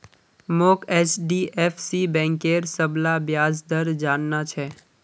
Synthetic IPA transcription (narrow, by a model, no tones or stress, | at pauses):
moːkɛːt͡ʃɖiʔeːfʰsibɛ̃ːŋkeːɾsəblabjaːzd̪əɾd͡ʒaːnːat͡ʃʰɛː